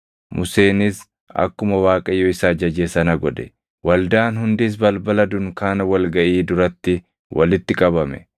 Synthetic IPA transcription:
mʔʊse̞ːnɪs | ɐ̰kːʊmɐwaːkʼɐjːɔɪsaːd͡ʒɐd͡ʒeːsɐnɐɡɔd̪ɛ | wɐld̪aːnhʊnd̪ɪs̬bɐlbɐlɐd̪ʊŋkaːnɐwɐlɡɐʔiːd̪ʊɾɐt̪ːɪ | wʔɐ̰lɪt̪ːɪkʼɐbɐmɛ

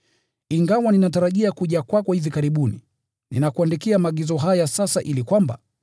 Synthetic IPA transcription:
iŋɡawaninataɾaʄiakuʄakwakɔhivikaɾiɓunḭ | nḭnakuandikiamaɠizɔɦajasasaʔilikwamba̰

